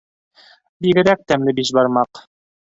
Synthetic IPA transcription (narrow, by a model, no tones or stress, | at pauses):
biɡɘ̆ɾæk̚t̪æmlɘbiʃbɑɾmɑq